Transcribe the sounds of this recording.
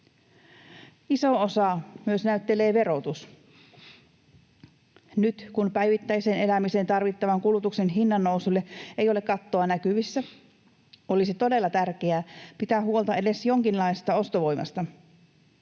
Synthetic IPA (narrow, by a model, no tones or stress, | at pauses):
iso̞osɑmyøsnæyt̪ːele̞ːʋe̞ɾo̞t̪us | nyt̪kunpæjʋit̪ːæjseːne̞læmisent̪ɑrʋit̪ːɑʋɑŋkulut̪ukse̞nɦinːɑnːousulːeejo̞le̞kɑt̪ːo̞ɑnækyʋisːæ | o̞lisit̪o̞de̞lːɑt̪ærk̟eæːpit̪æːɦuo̞lt̪ɑede̞sjo̞ŋkinlɑjsest̪ɑo̞st̪oʋo̞jmɑ̰st̪ɑ